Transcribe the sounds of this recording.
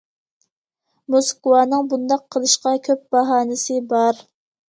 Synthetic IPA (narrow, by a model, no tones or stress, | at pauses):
moskuwɑːnɨŋbund̪ɑqʰːəlˠɨʃqɑkʲʰøp̚b̥ɑɦɑːnɪsɨbɑɾ